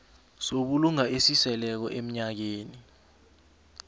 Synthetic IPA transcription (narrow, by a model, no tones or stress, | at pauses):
soɓuluŋaesisɛlɛk̬ɔʔem̩ɲak̬eːni